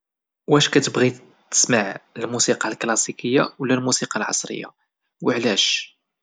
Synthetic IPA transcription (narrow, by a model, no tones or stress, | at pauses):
wæʃkæt̪əbɣi | t̪ːə̥smaʕəlmusiqɑlklɑsikəjːa̰wlːælmusiqɑlʕɑ̰sˤɾə̰jːa̰ | wəʕlæʃ